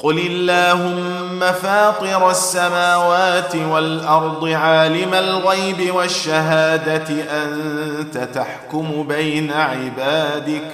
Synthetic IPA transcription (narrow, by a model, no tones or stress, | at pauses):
qʊlɪlːaːhʊmː | afaːt̪ˤɨɾasːamaːwaːt̪ɪwalʔɑɾˤd̪ˤɨʕaːlɪmalɣajbɪwaʃːaɦaːd̪atɪʔant̪at̪aħkʊmʊbajnaʕɪbaːd̪ɪk